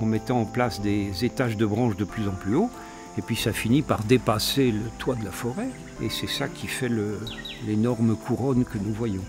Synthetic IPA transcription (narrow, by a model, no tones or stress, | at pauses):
ɑ̃mɛt̪ɑ̃ɑ̃plasd̪ezet̪aʒd̪əbʁɑ̃ʃd̪əplyzɑ̃plyo | epɥisafinipaʁd̪epaselət̪wad̪əlafɔʁɛ | ḛsɛsakʲifɛlə | lenɔʁmkʰuʁɔnkənuvwajɔ̃